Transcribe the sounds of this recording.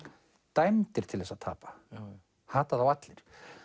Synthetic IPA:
t̪ajmt̪ɪɾ̥t̪ʰɪlɛsaðt̪ʰa̰ːpḁ | haːt̪aðawat̪lɪɾ̥

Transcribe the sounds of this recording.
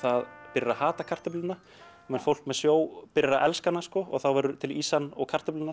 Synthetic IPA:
θaðpɪɾɪɾahaːt̪akʰar̥t̪ɪplʏnːa | mɛnfowl̥kmɛðsjoːwpɪɾɪɾaʔɛlskanːaskɔɔ̰ɣθawvɛɾʏt̪ʰɪliːsanɔɣkʰar̥t̪ɪplɪnːa

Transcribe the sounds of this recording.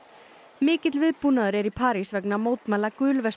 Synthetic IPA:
mɪːcɪt̪lvɪðpunaðʏɾɛɾipʰaːɾisvɛknamoːwt̪malakʏːlvɛs

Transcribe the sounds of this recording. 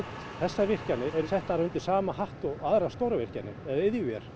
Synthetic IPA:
t̪ | θɛsːavɪr̥canːɪɛɾsɛht̪aɾaʏnt̪ɪ̥saːmahaht̪ɔɣaðɾast̪owɾavɪr̥canːɪ̰ɛðɪðjʏvjɛ̰ɾ̥

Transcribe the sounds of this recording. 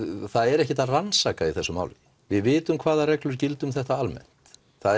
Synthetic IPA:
θaðɛɾɛhcɪt̪aransaːkaiθɛsːʏma̰wlɪ | vɪðvɪːt̪ʏmkʰv̥aːðarɛklʏɾ̥cɪlt̪ʏmθɛht̪aalmɛ̰n̥t̪ | θa

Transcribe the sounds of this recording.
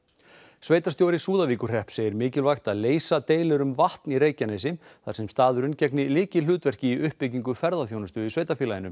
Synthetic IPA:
sveːjt̪ast̪jowɾɪsuːðaviːkʏr̥r̥ɛhpseːjɪɾmɪːcɪlvaxt̪aðleːjsat̪eːjlʏɾʏmvaht̪niɾeːjcanejsɪθaɾsɛmst̪aːðʏɾʏncɛknɪlɪːcɪl̥ʏːt̪vɛr̥cɪiʏhpːɪciŋkʏfɛɾðaθjownast̪ʏðisveːjt̪afiːlajɪnʏm

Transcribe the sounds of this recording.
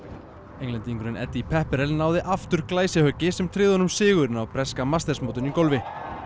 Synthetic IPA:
ejŋlɛnt̪iŋkɾɛnʔɛ̰t̪ːipʰɛhpɛɾɛlnaːwðɪʔaft̪ʏɾ̥klaːjsɪhœcːɪsɛmt̪ʰɾɪːðʏhɔnʏmsɪːɣʏɾɪnawpʰɾɛskamast̪ɛsmoːwt̪ʏnikowlvɪ

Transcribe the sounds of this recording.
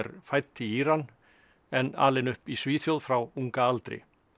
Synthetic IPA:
ɛɾfajt̪ːɪiːɾanː | ɛnːa̰ːlɛnʏhpisviːθjowðfɾawuŋkaalt̪ɾɪ̰

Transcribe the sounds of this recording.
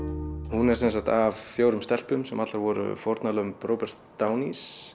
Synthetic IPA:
hunɛɾsɛns̬akt̪avfjoːwɾʏmst̪ɛl̥pʏmsɛmat̪laɾvɔɾʏ̰fɔɾt̪nalœːɣʏmpɾrowpɛr̥t̪ːaːwnis

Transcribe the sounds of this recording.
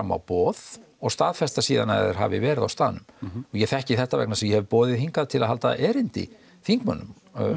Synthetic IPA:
amːa̰wpɔːð | ɔɣst̪aːðfɛst̪asiːðanaɛ̰ðɛɾ̥ɦa̰vɪ̰vɛːɾɪða̰wst̪aːðnʏmɔjɛθɛhcɪθɛht̪ːavɛ̰knasɛmjɛhɛvɪpɔːðɪðhiŋkaðt̪ʰɪlaðhalt̪a̰ʔɛːɾɪnt̪ɪ̰ | θiŋkma̰nːʏm

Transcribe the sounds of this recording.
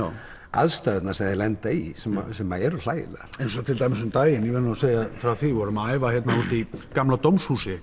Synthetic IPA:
a | a̰ðst̪œðt̪nasɛmðɪlɛnt̪aisɛma̰sɛmaɛɾʏl̥aːjɪ̰laɾ̥ejnsɔt̪ʰɪlt̪ajmɪsʏmt̪aːjɪnivɛnːaɔseːjafɾawθivɔɾʏmaːjvahjɛt̪navɔlt̪ikamlat̪owmshuːsɪ

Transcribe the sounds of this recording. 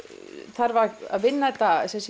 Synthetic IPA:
θaɾvaa̰ðvɪnːaɛt̪ːasɛns

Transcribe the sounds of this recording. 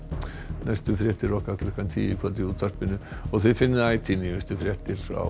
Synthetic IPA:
nʔajst̪ʏfɾjɛht̪ɪɾɔhkak̪lɛhkant̪ʰiːɪkʰvɛlt̪ɪuːt̪ʰar̥t̪pɪnːʏɔɣθɛjfɪnːɪðaːjt̪ʰinɪvɛst̪ʏfɾjɛht̪ɪɾa̰

